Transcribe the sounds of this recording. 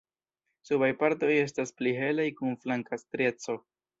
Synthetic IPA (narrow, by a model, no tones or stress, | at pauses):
suβajpaɾto̞je̞s̬taspliɦe̞lajkunflaŋkastɾe̞t͡so̞